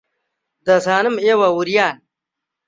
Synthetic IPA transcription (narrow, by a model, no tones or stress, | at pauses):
d̪ɐsaːnɐmewɐwuɾjaːn